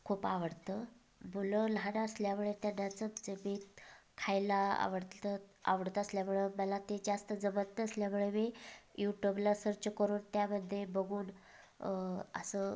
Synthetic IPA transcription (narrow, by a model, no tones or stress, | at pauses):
kʰuːpaʋəɽt̪ə | buləlɦaɽaəsljamuɭet̪janjat͡səd͡zəmiːt̪kʰajlaa̰ʋəɽt̪ət̪a̰ʋəɽt̪əəsljamuɭeməlat̪ed͡zast̪əd͡zəmənt̪ːəəsljamuɭemijuʈjublasəɾt͡ɕəkəɾuːnt̪jaməd̪ʱːjebəɡuːn | ə̰sə